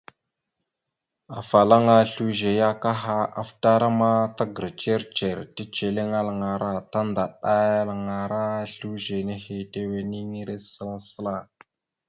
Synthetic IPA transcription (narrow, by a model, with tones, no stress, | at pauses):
a˨fa˨la˦ŋa˦ɬu˦ʒe˨ja˦ka˦ɦa˦a̰˨fta˦ɾa˦ma˦ta˦ɡə˨ɾt͡ʃe˦ɾt͡ʃe˨ɾti˦t͡ʃe˨le˦ŋa˦la˨ŋa˨ɾa˦ta˦nda˨ɗa˦ja˦la˨ŋa˨ɾa˦ɬu˦ʒe˨ne˦he˦te˦we˨ni˦ŋi˦ɾe˦sə˦la˦sə˦la˦˨